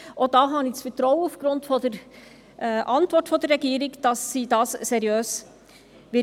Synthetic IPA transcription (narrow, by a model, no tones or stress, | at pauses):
ʔod̥ɑːɦɑnisfətɾɔwəufɡ̥ɾʊntfɔdəɾ | ʔɛʔɑntʋɔɾtfɔd̥̪ərːɛɡiːɾɪɡd̥ɑsːidɑːssɛɾjøːs | ʋɪ